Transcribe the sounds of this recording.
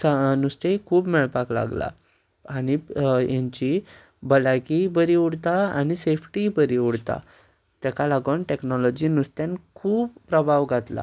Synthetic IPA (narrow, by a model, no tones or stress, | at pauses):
sanust̪ekʰuːbmɛɭpakla̰ɡla̰ | aɽ̃ijãɲt͡ɕi | bəlakibəɾiuɽt̪aaɽ̃isefʈibəɾiuɽt̪a̰ | t̪ɛkalaɡənʈeknɔlɔd͡ʑiːnust̪jãnkʰuːbpɾəbʱaʋɡʱat̪la̰